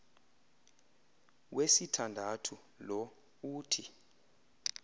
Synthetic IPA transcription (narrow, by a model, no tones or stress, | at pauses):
wesitʰandʱatʰu | lɔ | uːtʰi